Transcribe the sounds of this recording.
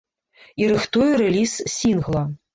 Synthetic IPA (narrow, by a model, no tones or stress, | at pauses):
iɾɨxt̪ujɛɾɛlʲissʲinɣlˠɐ